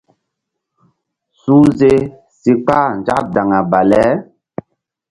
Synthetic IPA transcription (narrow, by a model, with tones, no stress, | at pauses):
su˦ze˦ | si˨k͡paː˦˨n˨d͡ʒa̰˦pda˨ŋa˨ba˨lɛ˨˦